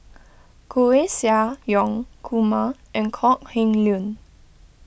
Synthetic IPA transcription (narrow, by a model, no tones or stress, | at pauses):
kʰoesiajɔŋkʰumaʔɛ̃nkʰɔʔhĩŋlun